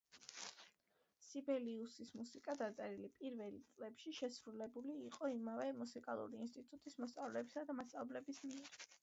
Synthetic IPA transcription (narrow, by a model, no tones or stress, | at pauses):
sibɛliusismusikʼad̪at̪sʼɛɾilipʼiɾvɛlt̪sʼlɛpʃiʃɛsɾulɛbuliːqʼɔimavɛmusikʼalˠṵɾiːnst̪ʼit̪ʼut̪ʼismɔst̪sʼavlɛbisad̪amast̪sʼavblɛbismiɛɾ